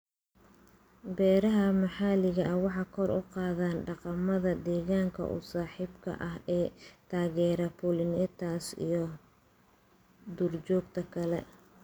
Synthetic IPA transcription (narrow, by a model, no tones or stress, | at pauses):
bɛːɾɐɦɐmɑħɑːlɪɣɐʔɐwɑħɑːkʰɔrʔʊqɑːðaːnɖɑqɑmɐðɐd̪ɛːɣaːŋkʰɐ̰ʔʊ̰saːħiːbkʰɐ̰ʔɐɦɛːt̪ʰaːɣɛːɾɐpulɪnɪt̪ʰaːsḭjɞ | d̪uːrt͡ʃɔːɡ̚t̪ʰɐkʰɐlɛ̰